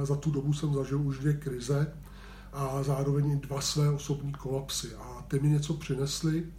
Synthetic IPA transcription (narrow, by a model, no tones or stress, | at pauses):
zat̪udo̞busɛmzaʒɪluʒdvjɛkɾɪzɛ | ʔazaːɾo̞vɛɲɪdvasvɛːo̞so̞bɲiːko̞lapsɪʔat̪ɪmɪɲɛt͡so̞pr̝̥ɪnɛslɪ